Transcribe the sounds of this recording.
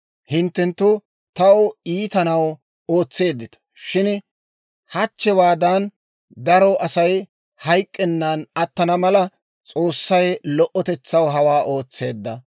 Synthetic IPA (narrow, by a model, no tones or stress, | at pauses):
hɪnt̪ːɛnt̪ːʊ | t̪ɐwʊiːt̪ɐnɐw | oːt͡sːe̞ːd̪ːɪt̪ɐ̥ʃɪn | hɐt͡ʃːɛwaːd̪ɐn | d̪ɐɾɔʔɐsɐj | hɐjkʼːɛnːɐnɐt̪ːɐnɐmɐlɐ | t͡sʼo̞ːsːɐjlɔʔɔt̪ɛt͡sːɐwɦɐwaːʔo̞ːt͡sːe̞ːd̪ːɐ